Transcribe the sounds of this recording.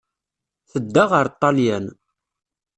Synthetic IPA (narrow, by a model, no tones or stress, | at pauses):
θəd̪ːaʁəɾˤt̪ˤːɑljæn